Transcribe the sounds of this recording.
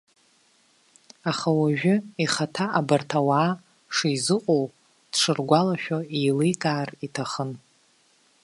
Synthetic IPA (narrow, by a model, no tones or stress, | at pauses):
aχawaʒᶣʊiχatʰaʔabartʰawaː | ʂijzɨqʷʼow | dʂʰɨrɡʷalaʃᶣoijlejkʼaːritʰaχən